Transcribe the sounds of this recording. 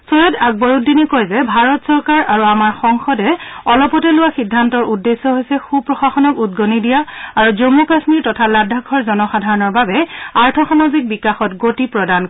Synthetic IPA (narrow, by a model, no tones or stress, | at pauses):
sojɔtaɡ̚bɔɹudinikojzɛbʱaɹɔtsɔɹkaɹʔaɹuamaɹxɔŋxɔdɛɔlɔpɔtɛlʊwaxidʱːantɔɹudːesːɔɦojsɛxupɹɔxaxɔnɔkud̚ɡonidijaaɹuzomukasmiɹtɔtʰaladʱakʰɔɹzɔnɔxadʱaɹɔnɔɹbabɛaɹtʰɔxanɔzik̚bikaxɔtɡotipɹɔdan